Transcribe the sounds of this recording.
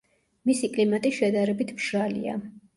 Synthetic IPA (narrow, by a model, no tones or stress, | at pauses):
misikʼlimat̪ʼiʃɛd̪aɾɛbit̪ʰbʒ̥alḭa̰